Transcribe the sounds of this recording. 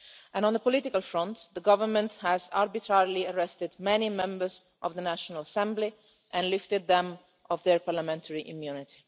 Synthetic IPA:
ʔɛ̃nɔ̃nd̪əpɔlɪt̪ɪkalfɹɔ̃nt̪ðəɡʌvəɹmə̃nt̪hæza̰ɹbit̪ʰɹaɹliəɹɛst̪ɪd̪mɛnimɛ̃mbəɹz | ʔɔvðənæʃɔnalasɛ̃mbli | ʔɛ̃nlɪft̪ɪd̪̚ðɛ̃m | ɔvðɛɹpaɾlamɛ̃nt̪ʰəɹiʔɪ̃mjunɪt̪i̥

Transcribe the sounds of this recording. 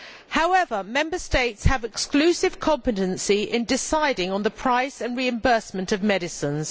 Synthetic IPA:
haʊɛvəmɛ̃mbəsteɪtshəvɪksklʉːˑsɪv̥kʰɒ̃mpɨtə̃nsiʔɪ̃ndɪsaɪdɪ̃ŋə̃nðəpʰɹ̥aɪsə̃nɹiɨ̃mbɜˑsmə̃ntʌvmɛɾɪsə̃nz̥

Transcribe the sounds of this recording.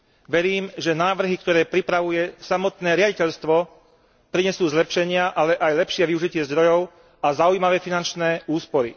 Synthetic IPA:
ʋɛɾiːmʒɛnaːʋr̩ɦikt̪ɔɾɛːpɾipɾaʋujɛsamɔt̪nɛːɾɪaɟicɛʎst̪ʋɔ | pɾiɲɛsuːzlɛpʃɛɲɪaʔalɛʔajlɛpʃɪɛʋiuʒicɪɛzd̪ɾɔjɔʊ | azaujmaʋɛːfinant͡ʃnɛːuːspɔɾḭ

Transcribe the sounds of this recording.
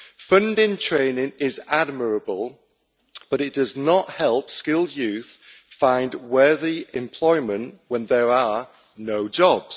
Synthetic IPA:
fʌ̃ndɪ̃ŋtʰɹ̥ẽɪ̃nɪ̃ŋɪzad̚məɹəbəlˠ | b̥ʌɾɪʔ̚d̥ʌznəʔhɛlˠpskɪlˠdjʉˑθ | fãɪ̃ndwɜːðiɪ̃mpʰl̥ɔɪmə̃nʔwə̃nðəɹə | noʊd͡ʒɒbz̥

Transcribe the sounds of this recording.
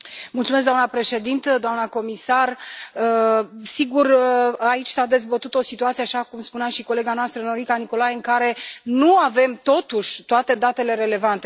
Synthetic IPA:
mult̪sumeskd̪oamnəpɾe̞ʃe̞d̪int̪əd̪oamnəko̞misarəsiɡurait͡ʃʲsad̪e̞zbət̪ut̪o̞sit̪uat̪sijeaʃakumspunaʃiko̞le̞ɡanoast̪ɾəno̞ɾikaniko̞lajeɨŋkaɾe̞nuave̞mt̪o̞t̪uʃʲt̪oat̪e̞d̪at̪e̞le̞ɾe̞le̞vant̪e̞

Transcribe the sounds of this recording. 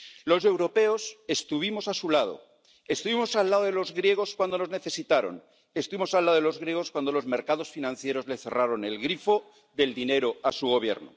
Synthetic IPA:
lo̞se̞wɾo̞pe̞o̞se̞st̪uβimo̞sasulað̞o̞̰ | e̞st̪uβimo̞salːaðoðelo̞zɣɾje̞ɣ̞o̞skwand̪ono̞zne̞θe̞sit̪aɾo̞̰n | e̞st̪uβimo̞salːaðoelo̞zɣɾje̞ɣ̞o̞skwand̪o̞lo̞zme̞ɾkaðo̞sfinãnθje̞ɾo̞zle̞θe̞̰raɾo̞ne̞lɣɾifo̞ | ðe̞ld̪ine̞ɾo̞asuɣ̞o̞β̞je̞̰ɾno̰

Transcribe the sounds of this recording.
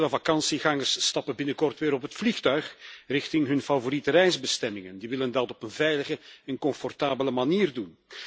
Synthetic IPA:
ləvakɑnsiɣɑŋərstɑpənbɪnəkɔrtʋɪːɾɔpɦətflixtœɥχrɪxtɪŋɦɵnfavoɾitəɾɛjzbəstɛmɪŋəndiʋɪləndɑtɔpənvɛjləɣəɛnkɔɱfɔrtaːbələmaniːrdun

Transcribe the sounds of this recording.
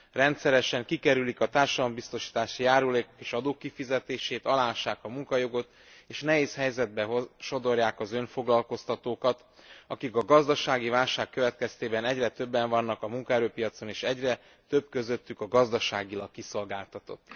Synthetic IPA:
rɛnt̪sɛɾɛʃɛŋkikɛɾylikɒt̪aːrʃɒd̪ɒlombist̪o̞ʃi̥ːt̪aːʃijaːɾuleːko̥keːʃɒd̪oːkːifizɛt̪eːʃeːt̪ɒlaːʃːaːkɒmuŋkɒjo̞ɡo̞t̪ | eːʃnɛɦeːshɛjzɛd̪̚bɛʃo̞d̪o̞rjaːkɒzøɱfo̞ɡlɒlko̞st̪ɒt̪oːkɒt̪ | ɒkikɒɡɒzd̪ɒʃaːɡivaːlʃaːkːøvɛt̪kɛst̪eːbɛnɛɟrɛt̪ø̞bːɛɱvɒnːɒkɒmuŋkɒɛɾøːpijɒt̪so̞neːʃɛɟrɛ | t̪øb̚kø̞zø̞t̪ːykɒɡɒzd̪ɒʃaːɡilɒkːiso̞lɡaːlt̪ɒt̪o̞̰t̪ː

